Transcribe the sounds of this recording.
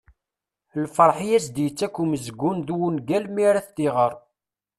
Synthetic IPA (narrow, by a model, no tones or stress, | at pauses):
lfəɾˤħjæsd̪jət͡sːækːuməzɡːunðwunɡælmiɾæθd̪iʁəɾˤ